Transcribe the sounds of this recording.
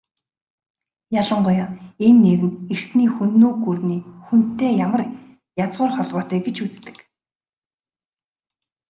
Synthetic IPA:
jaɮə̆ɴɢʊjaːenːeɾɘ̆ner̥t̪niːxunːuːɡurniːxun̥t̪ːeːjamə̆r | jat͡sʁʊːrχɔɮpɔːt̪æːɡet͡ɕut͡st̪ɘ̥̆k

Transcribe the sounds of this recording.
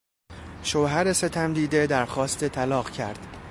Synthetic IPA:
ʃoːɦæɾese̞t̪ʰæmd̪iːd̪e̞d̪æɾxɒːst̪et̪ʰælɒːɢcʰæ̰ɾd̪̥

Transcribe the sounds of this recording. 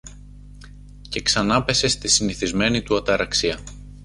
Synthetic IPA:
ce̞ksɐnɐpe̞se̞st̪isiniθizme̞nit̪uɐt̪ɐɾɐksiɐ

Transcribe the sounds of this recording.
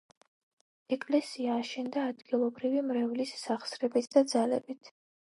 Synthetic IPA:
ɛkʼlɛsiaːʃɛnd̪aːd̪ɡilˠɔbɾivimɾɛvlisːaχsɾɛbit̪ʰd̪̥ad̪zalɛbit̪ʰ

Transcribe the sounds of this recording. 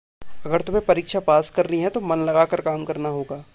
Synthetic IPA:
ɐɡəɾt̪ʊm̤ẽpɐɾiːkʃapaːskɐɾniɦɛ̃t̪omɐnlɐɡaːkɐɾkaːmkɐɾnaɦoːɡaː

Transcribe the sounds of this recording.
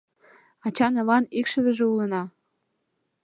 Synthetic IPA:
ɑt͡ɕɑnɤβɑnikʃə̆βɘ̆ʒĕulə̆nɑ

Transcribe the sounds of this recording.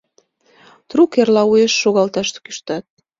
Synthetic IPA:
t̪ɾukerlɑujeʃːoɣɑlt̪ɑʃt̪kyʃt̪ɑt̪̚

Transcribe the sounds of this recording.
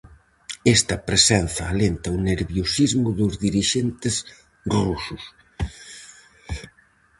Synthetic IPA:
est̪ɐpɾesɛnθɐːlent̪ɐuneɾβjosizmʊðʊzðiɾiʃent̪ɪs | rusʊs

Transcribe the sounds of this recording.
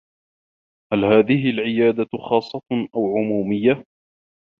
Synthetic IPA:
halhaːðɪhɪlʕɪjaːd̪axɑːsˤːɑt̪ʔawʕʊmuːmɪjːa

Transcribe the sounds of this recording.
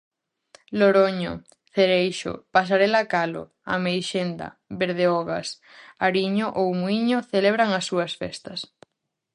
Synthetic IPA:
loɾoɲo̰ | θeɾejʃo̰pas̬aɾelakalo̰ | a̰mejʃend̪ɐ̰beɾð̞eɔɣas | aɾiɲoʔowmwiɲoθeleβ̞ɾaŋasːuɐsfɛ̰st̪ɐs

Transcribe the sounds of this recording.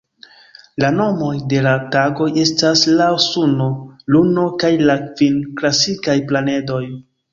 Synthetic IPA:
lano̞mo̞jde̞lataɡo̞je̞staslaosuno̞luno̞kajlakvinklasikajplane̞do̞j

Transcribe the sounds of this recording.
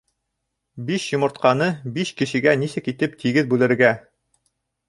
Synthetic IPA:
biɕjŏmɤ̆ɾt̪̚qɑnɤbiɕkɘ̆ʃɘ̆ɡænisɘkit̪ɘp̚t̪ʰiɡɘðbʉlɘ̆ɾɡæ

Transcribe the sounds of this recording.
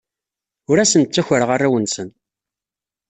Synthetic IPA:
ʊɾæsənt͡sːæçəɾʁarˤːawənsən

